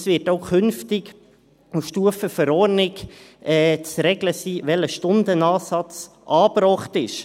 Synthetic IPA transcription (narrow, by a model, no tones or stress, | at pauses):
sʋɪːtoʊkʰʏnftɪk | ufʃtuəfəfəɾɔːɾnɪkɛːt͡sɾɛɡləsiːʋɛləʃtʊnd̪ənɑːsɑt͡s | ʔɑːbɾɔːχtɪʃ